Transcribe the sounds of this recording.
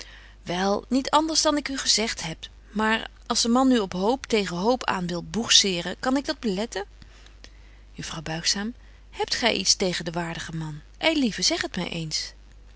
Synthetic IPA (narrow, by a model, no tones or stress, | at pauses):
ʋɛlˠnitɑndəɹzdɑnɪkyχəzɛχtɦɛp | maːɹ | ɑlˠzdəmɑnyɔpɦowptejχəɦowpʰa̰ːnʋɪlˠbuχsɪːrəkɑnɪɡ̚dɑd̚bəlɛtə | jəfrɑwbœɥχsaːm | hɛp̚tχɛ̰jʔḭtstejχəndəʋaːɹdəχəmɑn | ʔejlivəz̥ɛχətmɛ̰jʔḛjns